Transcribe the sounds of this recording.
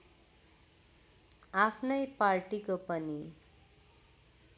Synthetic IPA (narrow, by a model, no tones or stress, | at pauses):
apʰnʌjparʈikopʌni